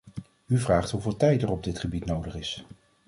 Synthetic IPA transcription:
yvraːχtɦuvɪːlˠtɛjtərɔb̚dɪtχəbitnowdəχɪs

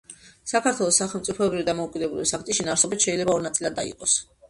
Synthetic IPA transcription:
sakʰaɾt̪ʰwɛlˠɔsːaχɛlˠmt̪sʼipʰɔɛbɾivid̪amɔukʼid̪ɛbuliisak̚ʰt̪ʼiʃinaɾsɔbit̪ʃɛilɛbaɔɾnat̪sʼilˠad̪ːa̰ḭqʼɔs

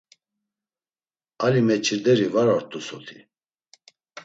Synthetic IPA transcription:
alimɛt͡ʃʰiɾd̪ɛɾivaɾaɾt̪ʼusɔt̪ʰi̥

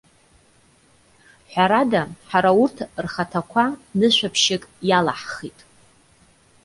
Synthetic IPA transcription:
ħʷᶣaɾadaħaɾaurtʰrχatʰakʷʰanɨʃʷᶣapʰʃɪkʼjalaħχitʼ

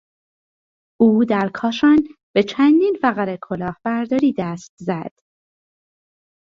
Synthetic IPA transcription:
ʔuːd̪æɾkʰɒːʃɒnb̥e̞t͡ʃʰænd̪iːnfæɣæɾekʰo̞lɒːhb̥æɾd̪ɒːɾiːd̪æst̪zæd̪̥

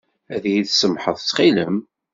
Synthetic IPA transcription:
æðjiðsəmħəðˤt͡sːχiləm

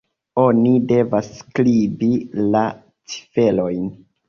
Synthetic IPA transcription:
o̞nide̞vasːklibila | t͡si̥fe̞lo̞jn

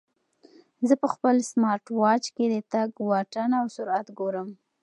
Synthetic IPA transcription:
zəpəxpəlsmɑɾʈwɑt͡ʃked̪ət̪aɡwɑʈanawsʊɾat̪ɡoɾəm

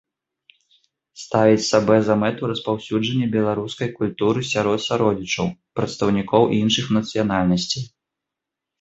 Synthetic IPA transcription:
st̪avʲit͡sʲsabɛzɐmɛt̪uɾɐspawsʲud͡ʐɐnʲːɐbʲɛlˠaɾuskɐjkulʲt̪uɾɨsʲaɾɔt̪saɾɔd͡zʲit͡ʂɐwpɾɐt̪st̪ɐwnʲikɔwʔinʂɨxnɐt̪sɨjanalʲnɐsʲt͡sʲi

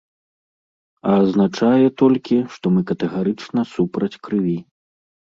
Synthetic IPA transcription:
ɐːznat͡ʂajɛt̪ɔlʲkʲiʂt̪ɔmɨkɐt̪ɛɣaɾɨt͡ʂnɐsupɾɐt͡sʲkɾɨvʲi

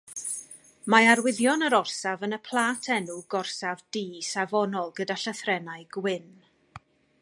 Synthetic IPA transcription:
maarwɪðjɔnəɾɔrsavənəpʰlˠaːtʰɛnuɡɔrsavdiːsavɔnɔlˠɡədaɬəθrɛnaɨɡ̥wɪn

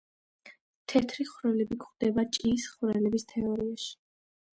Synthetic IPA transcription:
t̪ʰɛt̪ʰɾiχwɾɛlɛbikχd̪̥ɛbat͡ʃʼisχɾɛlɛbist̪ʰɛɔɾiaʃi̥

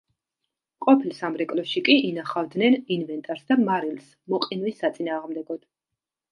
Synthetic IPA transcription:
qʼɔpʰilˠsamɾɛkʼlɔʃikʼiinaχavd̪nɛninvɛnt̪ʼaɾsd̪amaɾils | mɔqʼinwisːat̪sʼinaːʁmd̪ɛɡɔd̪̥

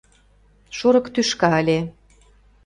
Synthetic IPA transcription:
ʃoɾɤ̆kt̪yʃkɑə̆lʲe

